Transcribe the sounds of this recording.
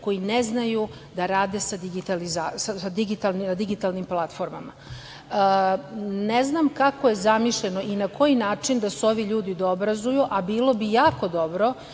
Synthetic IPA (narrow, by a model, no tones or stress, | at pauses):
ko̞jineznaju | d̪aɾaːd̪e̞sad̪iɡit̪alizasasad̪iɡit̪alninad̪iɡit̪alnimplˠat̪fo̞ɾma̰ma̰ | neznamkako̞je̞zamiʃʎenoʔinakʰo̞jinaːt͡ʂind̪aseo̞ʋiʎuːd̪id̪oobɾazujuʔabiːlˠo̞bijaːko̞d̪o̞bɾo̞